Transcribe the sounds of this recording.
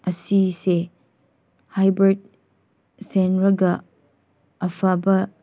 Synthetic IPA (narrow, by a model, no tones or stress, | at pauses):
ɐsise | hajbɐɾt̚ | senɾɐɡɐː | fʰabɐ